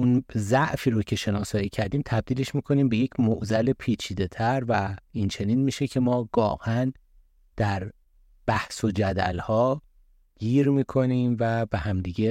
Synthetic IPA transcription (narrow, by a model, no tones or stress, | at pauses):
unzæʔfiːɾocʰe̞ʃe̞nɒːsɒːjiːcʰæɾd̪iːmt̪ʰæb̚d̪iːle̞ʃmiːkʰo̞niːmbe̞jecʰmoʔzæle̞pʰiːt͡ʃʰiːd̪e̞t̪ʰæɾvæint͡ʃʰe̞niːnmiːʃe̞cʰemɒːɡɒ̰ːʔæn | d̪̥æɾ | b̥æhso̞d͡ʒæd̪æ̰lhɒː | ɟ̥iːɾmiːkʰo̞niːmvæbehæmd̪iːɟe